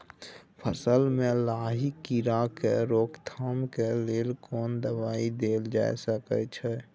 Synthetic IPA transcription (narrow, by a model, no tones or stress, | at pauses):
pʰəsəlmẽlaːɦikːiɾakeɾoːkt̪ʰaːmkeleːlkɔːnd̪əbaːid̪eːld͡ʒa̰ːḛsəkə̰t͡ʃʰɛ